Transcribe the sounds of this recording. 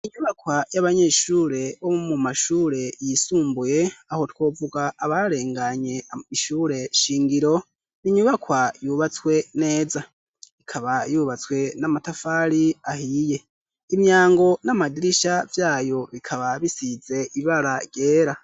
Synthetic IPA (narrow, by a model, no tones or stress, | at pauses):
iɲuβakwajaβaɲe̞ʃuɾe̞βomumumaʃuːɾe̞jisuːmbuje̞aho̞two̞ːvuɡaʔːβaɾe̞ːŋɡaɲe̞iʃuːɾe̞ʃiːŋɡiɾo̞ | niɲuβakwajuβat͡swe̞ne̞ːza | ikʰaβajuβat͡swe̞namatafaːɾiahije̞ | imjaːŋɡo̞namadiɾiʃavjaːjo̞βikʰaβaβisize̞ʔiβaɾaɡje̞ːɾa